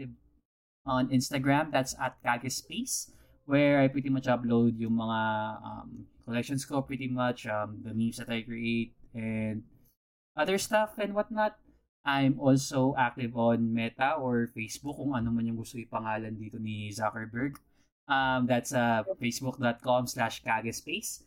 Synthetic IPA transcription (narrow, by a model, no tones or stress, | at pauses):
t̪ɪv | ʔɔnɪ̃nst̪ɐɡɹamd̪at̪sɐ̰t̪̚kaːɡɪspis | wɛɹajpɹit̪imɐt͡ʃʔɐplowd̪̚jʊŋmɐŋaʔɐ̰mkolɛk̚ʃɔnskopɹɪt̪imɐt͡ʃʔɐmd̪ɐmjusd̪ɐt̪ajkɹiʔet̪̚ɛnd̪̚ | ʔɐðɛɹst̪ɐfɛ̃nwɐt̪̚nɐt̪̚ | ʔajmʔɔlsowʔak̚t̪ɪvɔnmɛt̪ɐʔoɹfejsbʊkːʊŋɐnomɐnjʊŋɡʊst̪okɪpɐŋaːlɐnd̪iːt̪onizakɛɹbɛɹɡ | ʔɐmd̪at̪sɐfejsbʊk̚d̪ɔt̪̚komslaʃkaɡɐspejs